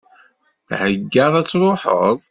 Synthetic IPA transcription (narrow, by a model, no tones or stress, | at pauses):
θʕəɡːəðˤæt͡sːɾˤoħə̰ðˤ